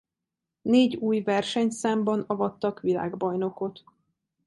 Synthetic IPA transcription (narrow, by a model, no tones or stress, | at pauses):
neːɟuːjvɛrʃɛɲt̪saːmbɒnɒvɒt̪ːɒkʋila̰ːɡbɒjno̞ko̞t̪